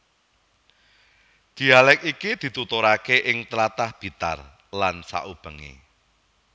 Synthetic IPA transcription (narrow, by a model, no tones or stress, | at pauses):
d̪̥i̤alɛk̚ikid̪̥i̤t̪ut̪oɾakeʔɪŋt̪ɾat̪ahb̥i̤t̪a̰r | lansa̰ʔub̥ə̤ŋḛ